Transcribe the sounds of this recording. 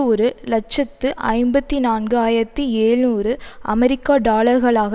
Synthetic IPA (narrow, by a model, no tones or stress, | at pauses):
ɔɾɯlɐt͡ʃːɐt̪ːɯʔɐ̰ɪmbɐt̪ːinaːnɡɯaːjɪɾɐt̪ːieːɻnuːrɯʔɐmɛɾɪkːaːɖaːlɐɾɣɐɭaːɣɐ